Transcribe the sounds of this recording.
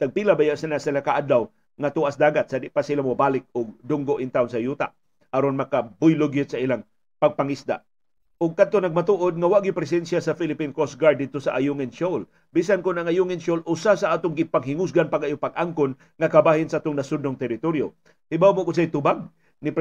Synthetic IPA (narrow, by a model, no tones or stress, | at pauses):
t̪ɐɡ̚pilabajaʔsɪlasanakaʔad̪law | ŋɐt̪uʔasd̪aːɡat̪̚sad̪ɪʔpasɪlamʊbaːlɪk̚ʊɡ̚d̪ʊŋɡoʔɪnt̪aʊnsɐjuːt̪a̰ʔ | ɐɾonmɐkabʊjlʊɡjɪt̪sɐʔilaŋ | pɐɡ̚paŋisd̪a̰ʔ | ʔʊɡ̚kad̪̚t̪onɐɡ̚mat̪uːʔod̪̚ŋɐwaʔɡɪpɾɛs̬ɛnsjasɐfilɪpinkosɡaɹd̪ːɪd̪̚t̪osɐʔajuŋɪnʃol | biːsankʊnɐŋajuŋɪnsolʔʊsasɐʔaːt̪ʊŋɡɪpaŋɦɪŋʊs̬ɡanpaɡajʊpaɡʔaŋkʊn | ŋɐkɐbaːhɪnsaʔaːt̪ʊŋnɐsʊd̪̚nʊŋt̪ɛɾɪt̪oɾjo | hɪbawmokʊns̬ajt̪ʊbaɡ̚ | nɪp